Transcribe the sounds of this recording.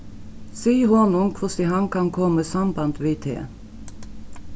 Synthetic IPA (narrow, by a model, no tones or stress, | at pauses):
siːhɔnʊŋkʰʋʊsɪhɑŋkʰɑŋkʰɔməsɑmbɑnt̪ʋiːt̪ʰḛː